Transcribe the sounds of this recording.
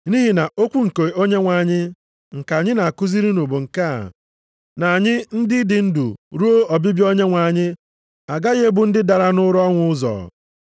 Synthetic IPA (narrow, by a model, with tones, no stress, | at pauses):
ni˦ɦi˨na˨ʔo˦kʷu˦ŋ̩˨ke˨o˦ɲe˦ŋʷa˨a˨ɲɪ˦ | ŋ̩˨ka˨ɲɪ˦na˨a˨kʊ˦zi˦ɾi˦nu˨bo˨ŋ̩˨ka˦a̰˨ | na˨a˨ɲɪ˦n̩˦dɪ˦dɪ˨n̩˦dṵ˨ɾu˦o˦ɔ˨bi˦bjo˦ɲe˦ŋʷa˨ɲɪ˦ | a˨ɡa˦ɣe˦e˦bʊ˨n̩˦dɪ˦da˨ɾa˨nʊ˦ɾɔ˦ŋʷʊ˦ʊ˦zɔ̰ː˨